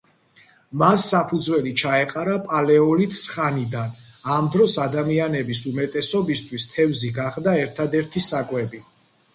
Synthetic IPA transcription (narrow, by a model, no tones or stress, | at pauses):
masːapʰud̪zwɛlit͡ʃʰaɛqʼaɾapʼalɛɔlit̪ʼsχanid̪anamd̪ɾɔsad̪amianɛbisumɛt̪ʼɛsɔbist̪ʰwist̪ʰɛvziɡaχd̪aɛɾt̪ʰad̪ɛɾt̪ʰisakʼwɛbi